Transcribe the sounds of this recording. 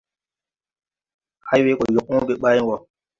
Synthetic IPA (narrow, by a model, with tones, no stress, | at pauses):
ha˦jwe˦kɔ˨jo˨k̚ũ˦ɡe˨ɓa˦ji˦ŋɡɔ˨